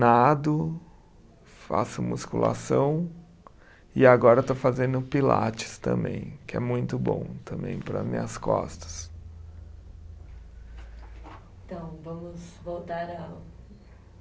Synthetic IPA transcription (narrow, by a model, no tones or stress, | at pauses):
nad̪ʊ | fa̰sʊmuskula̰sɐ̃w̃ | ɪaɡɔɾɐt̪ofazẽnd̪ʊpila̰t͡ʃɪ̥st̪ɐ̰̃mbḛ̃j̃kɪɛmũj̃t̪ʊbõ̰w̃t̪ɐ̃mbẽj̃pɾɐmḭ̃ɐskɔ̰st̪ɐ̥s | t̪ɐ̃w̃vɐ̃mʊzvowt̪aɾɐ